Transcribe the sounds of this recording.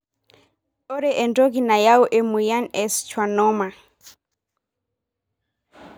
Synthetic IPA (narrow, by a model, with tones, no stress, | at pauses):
ɔ˦ɾɛʔɛ˨ndɔ˦kina˨ja˦u˦ʔɛ˨mu˨ja˦nɛ˨st͡ʃwa˨nɔma˨